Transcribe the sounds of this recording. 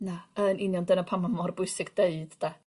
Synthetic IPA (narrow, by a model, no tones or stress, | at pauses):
naənɪnjɔndənapʰamamɔrbʊɨsɪɡdeɨd̥d̥a